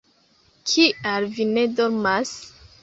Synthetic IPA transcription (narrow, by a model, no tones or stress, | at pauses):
kʰialvine̞doɾmas